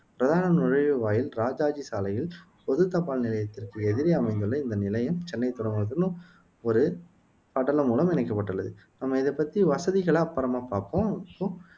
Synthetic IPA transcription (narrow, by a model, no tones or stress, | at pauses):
pɪɾɐðaːnɐnʊɻɐɻɯʋaːjɪlɾaːd͡ʒaːd͡ʒisaːlɐjɪl | pɔðɯt̪ːɐpːaːlnɪlɐjɐt̪ːɪrkɯɛðɪɾɐɐmɐɪnd̪ɯɭːɐɪnd̪ɐnɪlɐjɐmt͡ʃɛnːɐɪt̪ːʊɽɐŋɯɾɐt̪ːɯnːɯ̃ | ɔɾɯ | kaːʈːɐlɐmuːlɐmɪnɐɪkːɐpːɐʈːɯɭːɐðɯnɐmːɐɪðɛpːɐt̪ːiʋɐsɐðɪɣɐɭapːɐɾɐmaːpaːɾpõːpːoː